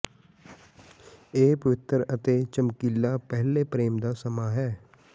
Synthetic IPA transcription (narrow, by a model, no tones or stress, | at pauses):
eːpəʋɪt̪əɾət̪et͡ʃəmkiːlːaːpɛɦlepɾeːmd̪aːsəmaːɦɛː